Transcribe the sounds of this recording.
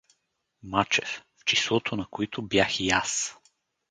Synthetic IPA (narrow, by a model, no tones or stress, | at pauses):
mat͡ʃɛfft͡ʃislˠɔt̪ʰonɐkoit̪ʰobjaxijas